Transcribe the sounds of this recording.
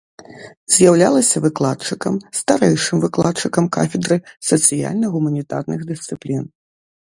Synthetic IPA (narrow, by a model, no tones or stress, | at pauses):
zʲjawlʲalˠɐsʲɐvɨklˠatt͡ʂɨkɐmst̪aɾɛjʂɨmvɨklˠat̪t͡ʂɨkɐmka̰fʲɛd̪ɾɨsɐt̪sɨja̰lʲnɐɣumɐnʲit̪a̰rnɨɣd̪ɨst̪sɨplʲin